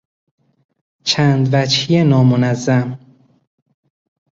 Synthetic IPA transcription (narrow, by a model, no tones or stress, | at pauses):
t͡ʃʰæːnd̪væt͡ʃhijenɒːmonæzːæm